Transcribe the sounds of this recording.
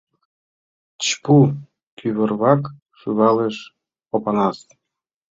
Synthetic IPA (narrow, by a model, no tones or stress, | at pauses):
t͡ɕpu | kʰyβərβɑk | ʃuβɑleʃ | opɑnɑst̪